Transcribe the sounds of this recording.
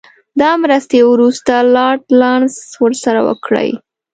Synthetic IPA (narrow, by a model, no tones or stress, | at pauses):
d̪ɑmɾəst̪ewɾust̪alɑɾʈlɑɳswəɾsaɾawə̰kɽə̰j